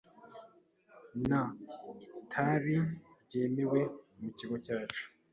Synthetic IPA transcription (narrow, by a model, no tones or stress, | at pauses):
na | tʰaɾibje̞ːme̞we̞muciɡo̞caːt͡ʃu̥